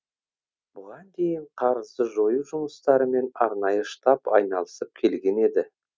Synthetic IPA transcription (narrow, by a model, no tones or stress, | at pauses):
bʊʁɑnd̪e̞jɪɴqʰɑɾəzd̪əʒo̞juʒʊməst̪ɑɾəme̞nɑɾnɑjəʃt̪ɑpɑjnɑlˠəsəp̚kʲʰe̞lɡʲe̞ne̞d̪ɪ